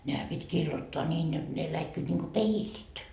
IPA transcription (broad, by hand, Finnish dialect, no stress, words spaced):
nehæ pitʲ kiːlːotːoɑ nʲiːn jot ne læikːyit niŋko peilit